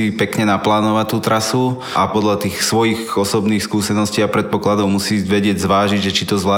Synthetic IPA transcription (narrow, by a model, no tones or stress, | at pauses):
ipɛkɲɛnaplaːnɔʋact̪uːt̪ɾasu | ʔapɔd̪ʎat̪iːxsʋɔjiɣɔsɔbniːxskuːsɛnɔsciːapɾɛt̪̚pɔklad̪ɔʊmusiːʋɛɟɪɛɟzʋaːʒiɟʒɛt͡ʃit̪ɔzʋlaː